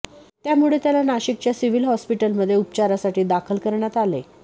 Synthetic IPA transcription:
t̪jamuɭet̪jalanaɕik̚t͡ɕjasiʋilɦɔspiʈəlməd̪ʱːjeup̚t͡ɕaɾasaʈiːd̪akʰəlkəɾɳjat̪alḛ

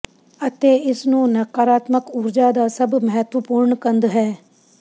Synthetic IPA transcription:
ət̪eːɪsnũːnɐkaːɾaːt̪məkʊɾd͡ʒaːd̪aːsɐbməɦɛt̪ʋəpuːɾɳkə̃nd̪ɦɛː

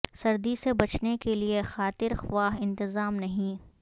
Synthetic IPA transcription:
sɐɾd̪isebɐt͡ʃnekeliexaːt̪ɪɾxʋaːɦɪ̃nt̪ɪzaːmnɐɦĩ

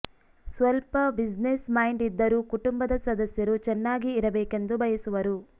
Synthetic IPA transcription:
sʋɐlpɐbid͡ʒnesmɐjɳɖid̪ːɐɾukuʈumbɐd̪ɐsɐd̪ɐsjɐɾut͡ʃɛnːaːɡiːɾɐbɛːke̞nd̪ubɐjɐsuʋɐɾu

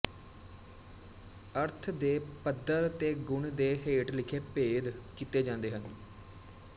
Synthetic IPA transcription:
əɾt̪ʰd̪eːpəd̪əɾt̪eːɡʊɳd̪eːɦeːʈlɪkʰeːpeːd̪kiːt̪eːd͡ʒãːnd̪eːɦən

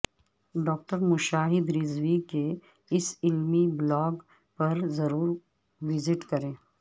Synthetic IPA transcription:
ɖɔːk̚ʈəɾmʊʃaːɦɪd̪ɾɪzʋike | ɪsɪlmiblɔːɡ | pɐɾzɐɾuːɾ | ʋɪzɪʈkɐɾẽː

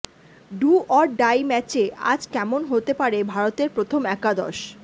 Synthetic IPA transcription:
ɖuʔɔɾɖajmɛt͡ɕea̰d͡ʑkɛmonɦot̪epaɾebʱaɾot̪eɾpɾot̪ʰomɛkad̪ɔ̰ʃ

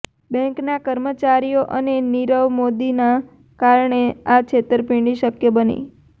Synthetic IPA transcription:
bɛ̃ŋknakəɾmət͡ʃaɾijoʔəneniɾəʋmod̪ina | kaɾɳeat͡ʃʰet̪əɾpĩɳɖiʃəkjəbənḭ

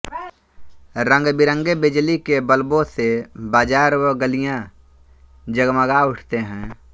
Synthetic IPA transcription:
ɾə̃ŋɡbɪɾə̃ŋɡebɪd͡ʒlikebəlbõsebaːd͡ʒaːɾəɡəlijã | d͡ʒəɡməɡaʊʈʰt̪eɦɛ̃ː

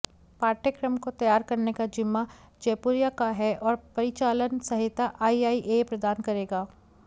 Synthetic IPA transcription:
paːɾʈʰəkɾəmkot̪ɐjaːɾkɐɾnekad͡ʒɪmːa | d͡ʒeːpuɾjakaɦɛʔɔːɾpɐɾɪt͡ʃaːlənsɐɦɪt̪ːaʔaːiaːiʔepɾɐd̪aːnkɐɾeːɡaː

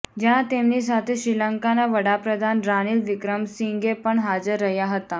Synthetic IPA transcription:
d͡ʑãt̪emnisat̪ʰeɕɾiləŋkanaʋəɽapɾəd̪ʱanɾaniːlʋikɾəmsiŋɡepəɳɦad͡zəɾːəɦjaɦət̪a

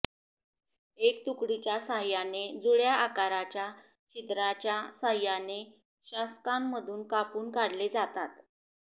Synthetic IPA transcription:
ek̚t̪ukɽit͡ɕjasaɦjaned͡zuɭjaakaɾat͡ɕja | t͡ɕit̪ɾat͡ɕjasaɦjane | ɕaskamːəd̪ʱuːnkapuːnkaɽled͡zat̪at̪

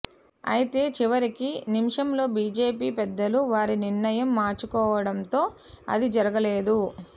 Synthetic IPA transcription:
ɐ̰jit̪e̞ːt͡ʃiʋɐɾikinimʂɐmlo̞ːbiːd͡ʒe̞ːpiːpɛd̪ːɐluʋaːɾiniɾɳɐjɐmːaːɾt͡ʃukɔːʋɐɽɐnt̪o̞ː | ɐ̰d̪id͡ʒɐɾɐɡɐle̞ːd̪u

